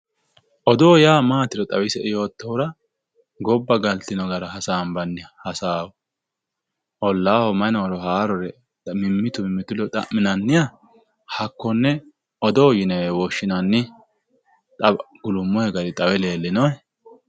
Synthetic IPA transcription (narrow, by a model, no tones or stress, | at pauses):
ʔɔd̪oːjaːmaːt̪ɪɾɔt̪ʼɐwɪsɛʔɪjo̞ːt̪ːɔwʊɾɐ | ɡɔbːɐɡɐlt̪ːɪnɔɡɐɾɐhɐsaːmbɐnːɪjhɐsaːwɔ | ʔɔlːaːhɔmɐnɐɾɔhaːɾɔɾɛ | mɪmːɪt̪ʊmɪmːɪt̪ʊlɔt̪ʼɐ̰ʔmmːɪnɐnːɪjɐ | hɐkːɔnːɛ | ɔd̪ɔːjɪnɛwɔʃːɪnɐnːɪ | t̪ʼɐɡ̥ʊlʊmːɔhɛɡɐɾɪt̪ʼɐwɛle̞ːlːɪnɔjɛ